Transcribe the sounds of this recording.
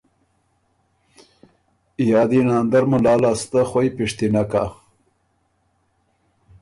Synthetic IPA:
ijɑːd̪inɑːnd̪aɾmulɑːlast̪axojpiʂt̪inaka

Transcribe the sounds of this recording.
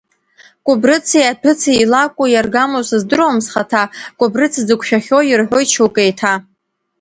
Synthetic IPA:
kʷʼʊbrɨt͡sʰiapʰɨt͡sʰiilakʷʼojarɡamosɨzdɨɾamsχatʰakʷʼʊbrɨt͡sʰzɨkʷʰʃᶣaχʲojɪrħʷojt͡ʃʰuwkʼejtʰa

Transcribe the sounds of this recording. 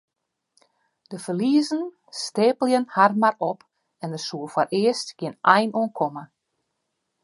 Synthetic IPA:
d̥əfərliəzən | steːpəlˠjənharmarɔp | ɛndəsuəfwaɾʔɪəstɡ̥jɪnɛjnuənkʰɔmə

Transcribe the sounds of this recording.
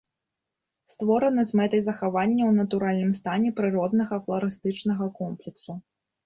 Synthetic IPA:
st̪vɔɾɐnɨzmɛt̪ɐjzɐxavanʲːɐwnɐt̪uɾalʲnɨmst̪anʲɛpɾɨɾɔd̪nɐɣɐflˠɐɾɨst̪ɨt͡ʂnɐɣɐkɔmplʲɛksu

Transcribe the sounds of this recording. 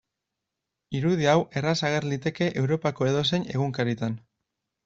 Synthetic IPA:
iɾuðiawʔe̞rasaɣ̞e̞ɾlit̪e̞ke̞ʔewɾo̞pako̞e̞ð̞o̞s̬e̞ne̞ɣuŋkaɾit̪an

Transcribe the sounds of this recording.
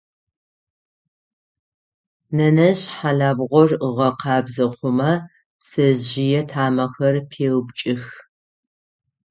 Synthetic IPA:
nɐnɐɕħaɮaːbʁʷɔrəʁɐqɑːbzɐqʷʊmɐ | sɐʑɪjɛtʰaːmɐxɐrpʰeːwbt͡ʃʼɪx

